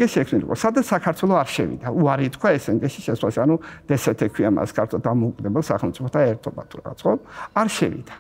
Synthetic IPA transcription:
ɛʃiɛkʰnilḭqʼɔ̰sad̪at̪sakʰaɾt̪ʰwɛlˠɔaɾʃɛvḭd̪auaɾit̪kʰwaɛsɛŋɡɛʃiʃɛswasanud̪̥ɛsɛt̪ʰɛkʰwiama̰skʰaɾt̪ʰɔd̪amɔukʼd̪ɛbɛlˠsaχɛlˠmt̪sʼipʰɔt̪ʰaɛɾt̪ʰɔba̰t̪ʰuɾa̰ʁa̰t̪sχɔaɾʃɛ̰vḭd̪a

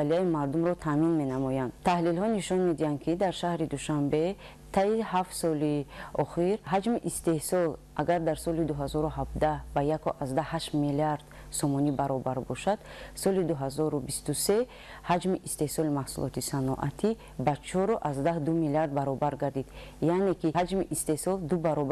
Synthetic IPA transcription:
aliaimaɾd̪umɾɔt̪ʰaminme̞namɔjand̪t̪ʰahlilhɔniʃɔnme̞d̪iand̪̚kʰid̪aɾʃahɾid̪uʃambe̞ | t̪ʰaihaft̪sɔliɔχiɾɦad͡ʒmiʔist̪e̞hsɔlʔaɡaɾd̪aɾsɔlid̪uɦazɔɾuɦab̚d̪abajakʰɔʔazd̪ahaʃt̪miliaɾd̪̥ | sɔmɔnibaɾɔbaɾbɔʃad̪̥sɔlid̪uɦazɔɾubist̪use̞ | had͡ʒmiʔist̪e̞hsɔlimahsṵlʔɔ̰t̪ʰisanɔ̰ʔa̰t̪ʰi | bat͡ʃʰɔɾɔʔazd̪ahd̪umiliaɾd̪̚baɾɔbaɾɡaɾd̪id̪̥ | jane̞kiad͡ʒmiʔist̪e̞hsɔld̪ubaɾɔb

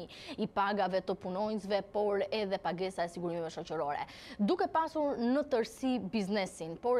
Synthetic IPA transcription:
ipaɡavɛt̪əpunɔɲs̬vɛpɔɾɛðɛpaɡɛsaɛsiɡuɾimɛvɛʃɔt͡ɕəɾɔɾɛ̰ | d̪ukɛpasuɾnət̪əɾsibiznɛsinpɔ

